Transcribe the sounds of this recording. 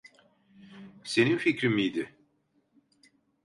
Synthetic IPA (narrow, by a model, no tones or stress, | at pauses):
se̞ninficɾimijd̪ɪ